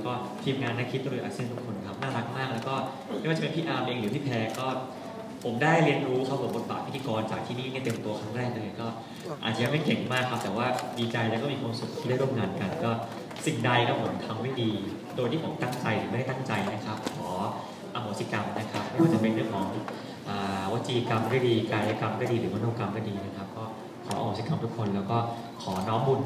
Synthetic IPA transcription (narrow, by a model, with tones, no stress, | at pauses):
kɔː˥˩ | t̪ʰiː˧mŋaː˧nːaː˥˩kʰi˦˥t̪̚ɾɯː˩˦ʔaː˧k̚si˥˩nt̪u˧˥˩ŋkʰo˧nkʰa˦˥p̚naː˥˩ɾa˦˥k̚maː˥˩k̚lɛː˦˥wkɔː˥˩ | mma˥˩waː˥˩a˨pe˧pʰiː˥˩ʔaː˧mʔeː˧ŋɾɯː˩˦p̪ʰiː˥˩pʰɛː˧kɔː˥˩ | pʰo˩˦mdaː˥˩jɾi˧ənɾuː˦˥kʰa˧˩wu˨˩bo˨˩t̪̚ba̰ː˨˩k̚ʰi˦˥t̪ʰːi˧kɔː˧nt͡ɕaː˨˩k̚t̪ʰiː˥˧niː˥˩ŋi˥˩t̪e˧mt̪u˧ɐkʰɾaː˥˩ŋɾɛː˥˩k̚ʔa˧lːjkɔː˥˩ | aː˨˩t̪t͡ɕa˧ja˧˥ma˥˩jke˨˩ŋmaː˥˩kʰːp̚t̪ɛː˨˩waː˥˩diː˧t͡ɕa˧jlɛː˧˦˥wkɔː˥˩miː˧kwaː˧msu˨˩k̚t̪ʰiː˥˩da˥˩jɾu˥˩ə˨mŋaː˧nka˧nkɔː˥˩ | si˨˩ŋda˧jkɔː˥˩mʰo˨˩˦nt̪ʰa˧mwa˦˥˩diː˧ | doː˧jt̪ʰiː˥˩pʰo˩˦t̪a˥˩ŋt͡ɕa˧jɾɯː˨˩˦a˥˩da˥˩t̪a˥˩ŋt͡ɕa˧jna˦˥kʰa˦˥p̚kʰɔː˩˦ | ʔa˧ɦoː˨˩˦si˦˩ka˧mna˦˥kʰa˦˥p̚ma˥˩jwaː˥˩t͡ɕa˨˩pe˧nɾɯ˥˩əŋkʰɔː˩˦ŋ | ʔəː˨˩wa˦˥t̪̚t͡ɕiː˧ka˧mwiː˦˥˩tiː˧kaː˧jaː˧˩ka˧mkaː˥˩diː˧ɾɯː˩˦ma˦˥oː˧ka˧mkaː˥˩diː˧na˦˥kʰa˦˥p̚kɔː˥˩ | kʰɔː˩˦a̰˧hoː˨˩˦si˦˩ka˧mt̪ʰu˦˥kʰːo˧nlɛː˦˥wkɔː˥˩ | kʰɔː˩˦nɔː˦˥mbu˧n